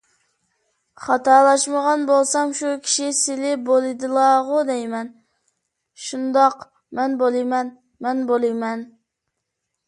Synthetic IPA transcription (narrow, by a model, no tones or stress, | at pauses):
χɑt̪ɑːlˠɑʃməʁɑnbolˠsɑmʃukʲʰi̥ʃisɪlɪbolˠɨd̪ɨlˠɑʁʊd̪ɛjmɛn | ʃund̪ɑq | mɛnbolˠɨjmɛn | mɛnbolˠɨjmɛn